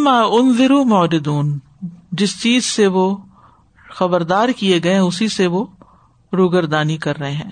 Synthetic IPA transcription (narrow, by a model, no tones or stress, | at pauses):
maːʔʊnzɪɾumɔːɾɪd̪uːn | d͡ʒɪst͡ʃiːzseʋo | xɐbəɾd̪aːɾkieɡɐeɦɛ̃ʊsiseʋo | ɾuːɡəɾd̪aːnikɐɾːɐɦeɦɛ̃ː